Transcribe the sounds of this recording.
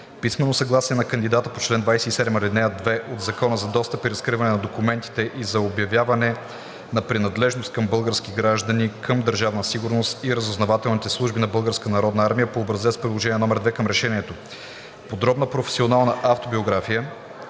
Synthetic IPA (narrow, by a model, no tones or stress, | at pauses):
pismɛnosɐɡlˠasiɛnɐkɐnd̪id̪at̪əpot͡ʃlɛnd̪vajsɛisɛd̪məɾɛd̪nɛəd̪vɛʔod̪zɐkɔnəzɐd̪ɔst̪əpiɾɐskɾivɐnɛnɐd̪okumɛnt̪i̥t̪ɛʔizɐobjɐvjavɐnɛ | nɐpɾinɐd̪lɛʒnost̪̚kəmbɤlˠɡəɾsk̟iɡɾaʒd̪ənikʰəmd̪əɾʒavnəsiɡʊɾnost̪iɾəzoznɐvat̪ɛlˠnit̪ɛslˠuʒbinɐbɤlˠɡəɾskənɐɾɔd̪nɐaɾmijəpoːbɾɐzɛspɾilˠoʒɛniɛnɔmɛɾd̪vɛkəmɾɛʃɛniɛt̪o | pod̪ɾɔbnəpɾofɛ̥sionalˠnɐʔaft̪obioɡɾafijə